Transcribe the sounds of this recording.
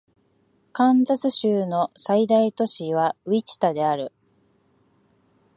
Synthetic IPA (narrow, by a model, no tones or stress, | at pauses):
kãnd͡zat͡sɨɕɨːno̞said̪ait̪o̞ɕiβ̞aɯit͡ɕi̥t̪ad̪e̞aɾɯ̟